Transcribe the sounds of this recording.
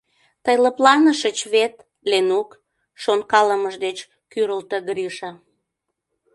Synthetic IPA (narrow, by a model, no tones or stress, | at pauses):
t̪əjləplɑnəʃət͡ɕβet̪ | lenuk | ʃonkɑləməʒd̪et͡ɕ | kyɾəlt̪eɡɾiʃɑ